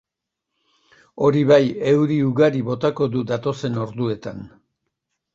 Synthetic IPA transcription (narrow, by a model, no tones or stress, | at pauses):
o̞ɾiβaje̞wðiuɣaɾiβo̞t̪ako̞ðuðat̪o̞se̞no̞ɾðue̞t̪an